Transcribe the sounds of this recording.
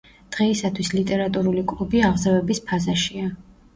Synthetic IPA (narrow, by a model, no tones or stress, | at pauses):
d̪̥ʁɛisat̪ʰwislit̪ʼɛɾat̪ʼuɾulikʼlˠubiaʁzavɛbispʰazaʃia